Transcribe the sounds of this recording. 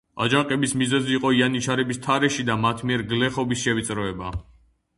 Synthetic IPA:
a̰d͡ʒaŋqʼɛbismizɛziːqʼɔianit͡ʃʰaɾɛbist̪ʰaɾɛʃid̪amat̪ʰmiɛɾɡlɛχɔbisʃɛvit̪sʼɾɔɛba

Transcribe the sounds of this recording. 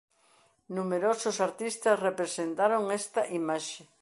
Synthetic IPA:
numeɾosʊsaɾt̪ist̪ɐsrepɾesent̪aɾoŋest̪ɐʔimaʃe

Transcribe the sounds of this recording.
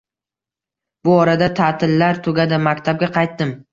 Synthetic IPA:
bʊɒɾad̪at̪ʰat̪ʰɪlːaɾt̪ʰʊɡʲad̪ɪmakʲt̪ʰab̚ɡʲaqʰɑjt̪̚ːɪm

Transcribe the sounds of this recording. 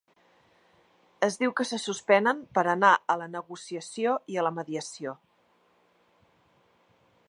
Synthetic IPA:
əzðiwkəsəsuspɛnəmpəɾənaʔələnəɣusiəsioiələməðiəsio

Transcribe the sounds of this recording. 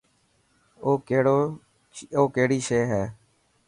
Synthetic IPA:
oːkeɽoː | oːkeɦɽiːʃeːɦɛː

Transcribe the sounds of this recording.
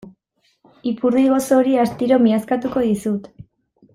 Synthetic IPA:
ipuɾðiɣ̞o̞so̞ɾiast̪iɾo̞miaskat̪uko̞ðisut̪

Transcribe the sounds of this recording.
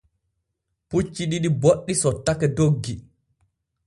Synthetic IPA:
put͡ʃːiɗiɗiboɗːisɔtːakɛdoɡːi

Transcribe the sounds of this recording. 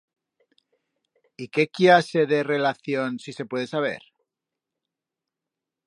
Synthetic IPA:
ike̞kjase̞ðe̞re̞laθjo̞nsise̞pwe̞ðe̞saβ̞e̞̰ɾ

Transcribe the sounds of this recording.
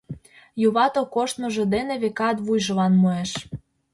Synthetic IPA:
juβɑt̪okoʃt̪nŏʒĕd̪eneβekɑt̪βujʒɤ̆lɑnmoeʃ

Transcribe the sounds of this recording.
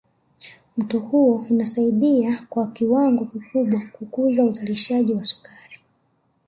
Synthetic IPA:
m̩tɔhuɔunasaiɗiakwakiwaŋɡɔkikuɓwakukuzauzaliʃaʄiwasu̥kaɾi

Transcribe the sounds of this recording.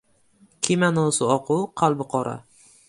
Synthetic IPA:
kʲʰimanɔsɪɒqʊwqʰalˠbɪqʰɒɾʔa̰

